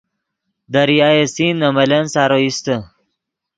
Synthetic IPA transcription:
d̪aɾiajesinːɐmɐlensaɾoist̪ə

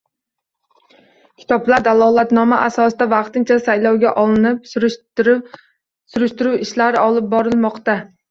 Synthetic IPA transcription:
kʲʰi̥t̪ʰɒplˠaɾd̪ælˠɒlˠæt̪nɒmaʔæsɒsɨd̪avɑqt̪ɨnt͡ʃʰɛsajlˠɒwɡʲɛʔɒlˠɨnɪp̚ | suɾɨʃt̪uɾuwiʃlæɾɪɒlˠɨp̚bɒɾɨlˠmɑqt̪a

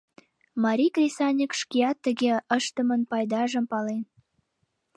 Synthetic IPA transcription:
mɑɾʲikrʲesɑnʲikʃkiɑt̪ːəɣeəʃt̪əmənpɑjd̪ɑʒəmpɑlen

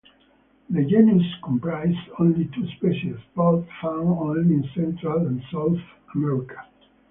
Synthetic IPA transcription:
ðəd͡ʒɛnuskɔ̃mpɹaɪzõnlitʰuspɛʃalsbɔtfãʊ̃nõnliɪ̃nsɛ̃ntʰɹalə̃nsaʊθ | əmɛɹikʰḁ

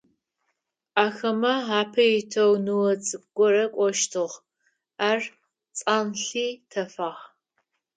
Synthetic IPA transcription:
aːxɐmɐaːpʰɐjɪtʰɐwnɨwɐt͡sʼɨɡʷɔrɐkʷʼɔʃtʰɨʁ | aːr | t͡sʼaːnɬiːtʰɐfaːʁ

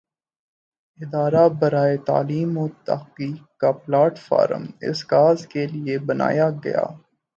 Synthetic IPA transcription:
ɪd̪aːɾabɐɾaːet̪a̰ːliːmoːt̪ɐ̰ɦqiːk̚ːaplaːʈfa̰ːɾə̰mɪ̰sɡaːzkeliebɐna̰ːjaɡɐ̰ja̰ː

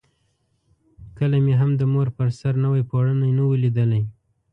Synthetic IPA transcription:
kəlameɦamd̪əmoɾpəɾsaɾnawajpoɽənajnawelid̪əlaj

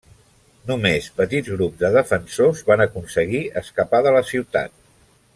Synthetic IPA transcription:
numespət̪idd͡zɣɾubzd̪əðəfənsozβanəkunsəɣiəskəpaðələsiwt̪a̰t̪̚

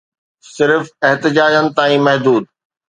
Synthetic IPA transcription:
sɪɾfɛɦt̪ɪd͡ʑaːd͡ʑənɪ̆t̪aːĩmɐɦd̪uːd̪̚

